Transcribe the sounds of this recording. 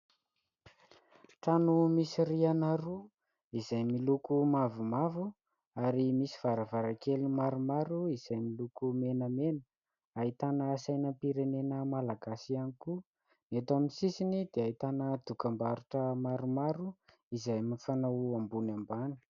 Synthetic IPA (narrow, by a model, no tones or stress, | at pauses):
tanumisirianaɾu | izajmilukumavumavu | aɾimisi̥v̥aɾavaɾakelimaɾumaɾuiz̥ajmilukumenəmenə | ait̪anəːsajnəmpiɾenenəmalaɡasianiku | net̪aminsisinid̪̥eait̪anəd̪̥ukambaɾuʈ͡ʂəmaɾumaɾu | izajmifanawambunambani̥